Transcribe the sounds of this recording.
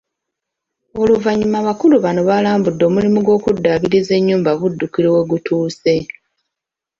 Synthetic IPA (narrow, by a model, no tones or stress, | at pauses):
o̞luvaɲːumaβakuluβano̞βalaːmbudːo̞ːmulimuɡo̞ːkudːaβiɾize̞ɲːuːmbaβudːukiɾewe̞ɡutuːse̞